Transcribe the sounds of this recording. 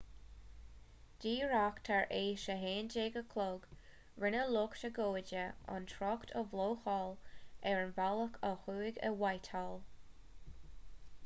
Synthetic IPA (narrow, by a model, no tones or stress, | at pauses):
d̥iːɹakt̪ʰaɹʔeːʃəɦeːnd͡ʒeːɡəkʰloːɡ̥ | ɹɪnəlʊkʃəɡoːd͡ʒəɔ̰nt̪ʰɹɔktʰəvloːxɔːlɛɹənvaləkʰəxuːɡə̰wajt̪ʰɔl